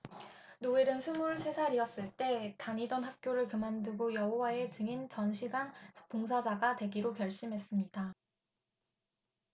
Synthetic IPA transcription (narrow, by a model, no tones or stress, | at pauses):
noeɾɯnsʰɯmuɭsʰe̞sʰaɾiʌs͈ɯɭt͈e̞taɲidonɦak̚k͈joɾɯɭkɯmandɯɡojʌɦowae̞t͡ɕɯŋint͡ɕʌnɕʰiɡanʰpoŋsʰad͡ʑaɡatwe̞ɡiɾokjʌɭɕ͈imɦe̞s͈ɯmɲida